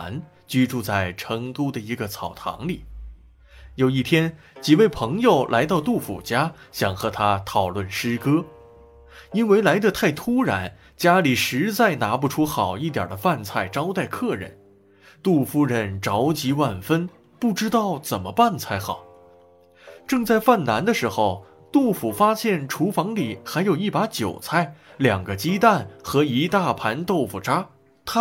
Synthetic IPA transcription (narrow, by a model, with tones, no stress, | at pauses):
n | t͡ɕy˥ʈ͡ʂu˥˧t͡sa˥˩ɪʈ͡ʂʰɤ˧˥ŋt̪u˥d̪ə˨i˧˥ɡə˧t͡sʰɑ˨˩ʊt̪ʰɑ̰˧˥ŋli˨˩˦ | jo˨˩ʊi˥˩t̪ʰjɛ˥n | t͡ɕi˨˩we˥˩ɪpʰɤ˧˥ŋjo˥˨˩ʊlʔa˧˥ɪt̪ɑ˥˧ʊt̪u˥˩fṵ˨˩t͡ɕja˥ɕjɑ˨˩ŋxɤ˧˥t̪ʰa˥t̪ʰɑ˨˩ʊlwə˥˩nʂɻ̩˥kɤ˥ | i˥nwe˥˧ɪla˧˥ɪd̪ə˧t̪ʰa˥˩ɪt̪ʰu˥ɻa˧˥n | t͡ɕja˥li˨˩ʂɻ̩˧˥t͡sa˥˩ɪna˧˥pu˧˩ʈ͡ʂʰu˥xɑ˨˩ʊi˥˩t̪ja̰˨˩d̪ə˦fa˥˧nt͡sʰa˥˩ɪʈ͡ʂɑ˥ʊt̪a˥˧ɪkʰɤ˥˩ɻə̰˧˩n | t̪u˥˩fu˥ɻə˧˩nʈ͡ʂɑ˧˥ʊt͡ɕi˧˥wa˥˩nfə˥n | pu˥˩ʈ͡ʂɻ̩˥t̪ɑ˥˩ʊt͡sə˨˩nmə˦pa˥˧nt͡sʰa˥˩ɪxɑ˨˩˦ʊ | ʈ͡ʂɤ˥˧ŋt͡sa˥˧ɪfa˥˩nna˧˥nd̪ə˧ʂɻ̩˧˥xo˥˧ʊ | t̪u˥˩fu˨˩fa˥ɕjɛ˥˩nʈ͡ʂʰu˧˥fɑ˧˥ŋli˨˩xa˧˥ɪjo˨˩ʊi˥˩pa˧˥t͡ɕjo˨˩ʊt͡sʰa˥˩ɪljɑ˨˩ŋɡə˦t͡ɕi˥t̪a˥˩nxɤ˧˥i˧˥t̪a˥˩pʰa˧˥nt̪o˥˩ʊfu˨˩ʈ͡ʂa˥ | t̪ʰa˥